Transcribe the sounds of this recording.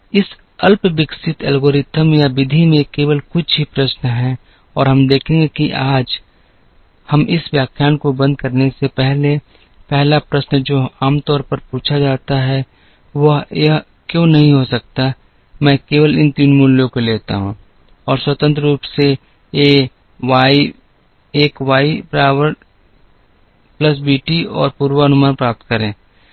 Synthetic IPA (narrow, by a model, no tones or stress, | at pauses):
ɪs | ɐlpʋɪksɪt̪ɛlɡoːɾɪt̪əmjabɪd̪ʱimẽkeːʋəlkʊt͡ʃʰɦipɾɐsnɦɛ̃ | ɔːɾɦɐmd̪eːkʰẽːŋɡekiʔaːd͡ʒ | hɐmʔɪsʋjaːkʰjaːnkobɐ̃nd̪̚kɐɾnesepɛɦle | pɛɦlapɾɐsnd͡ʒoːaːmt̪ɔːɾpɐɾpuːt͡ʃʰad͡ʒaːt̪aɦɛ | ʋɐɦjɐɦ | kjõːnɐɦĩɦosɐk̚t̪a | mɛ̃ːkeːʋəlɪ̃nt̪inmʊljõkoleːt̪a̰ɦũː | ɔːɾswət̪ə̃nt̪ɾəɾuːpseː | aːi | eːkwaːipɾaːwəɾʈ | plɐs̬biːʈiɔ̰ːɾpuːɾwəɐnʊmaːnpɾaːp̚t̪kɐɾẽː